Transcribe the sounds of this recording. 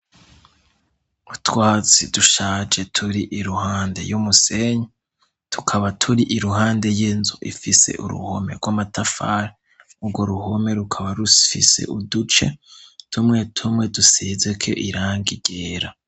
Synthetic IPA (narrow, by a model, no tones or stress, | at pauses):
utwaːt͡sḭduʃaːd͡ʒe̞tʰuɾiʔiɾuhaːnde̞̰jumuse̞ɲa | tʰu̥kʰaβatʰuɾiʔiɾuhaːnde̞jenzuʔḭfise̞̰ʔṵɾṵho̞̰me̞̰ɾɡwamatafaːɾe | ubɡo̞ɾuho̞me̞ɾukʰaβaɾufise̞̰ʔudut͡ʃe̞̰tʰumŋe̞tʰumŋe̞dusizekʰo̰ʔiɾaːŋɡiɡ̥eːɾa